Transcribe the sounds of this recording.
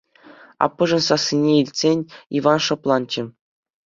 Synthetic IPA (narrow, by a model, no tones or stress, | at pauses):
ɑ̰pːɤ̆ʐɤ̆nsɑsʲːinʲeilʲtʲsʲenʲiʋɑnʂɤ̆plˠɑnt͡ɕɘ̆